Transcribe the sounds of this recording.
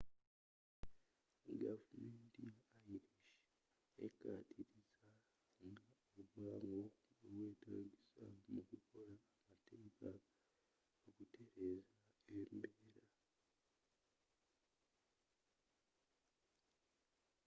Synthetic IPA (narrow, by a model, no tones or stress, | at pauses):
ɡavumeːntiaiɾiʃ | ḛka̰ːtʰiɾiza | ŋɡa | oβaŋɡoowe̞ːtaːɟisa̰mukukʰo̞ɾaːmateːka | okutʰe̞ɾe̞zaembeːɾa